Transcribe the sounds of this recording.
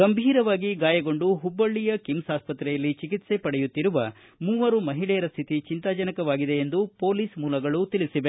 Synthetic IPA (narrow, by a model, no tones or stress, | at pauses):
ɡɐmbʱiːɾɐʋaːɡiɡaːjɐɡo̞ɳɖuɦubːɐɭːijɐkimsaːspɐt̪ɾɛjɐlːit͡ʃikit̪se̞pɐɽɛjut̪ːiɾuʋɐ | muːʋɐɾumɐɦiɭɛjɐɾɐst̪ʰit̪it͡ʃint̪aːd͡ʒɐnɐkɐʋaːɡid̪e̞ːnd̪upo̞ːliːsmuːlɐɡɐɭut̪ilisiʋe